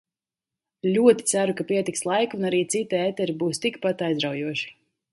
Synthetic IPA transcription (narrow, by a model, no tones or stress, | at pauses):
lʲuɔt̪i̥t̪sæɾukapiɛt̪ikslˠajkunaɾiːt̪sit̪iɛːt̪ɛɾibuːst̪ikpat̪ajzɾawjuɔʃi̥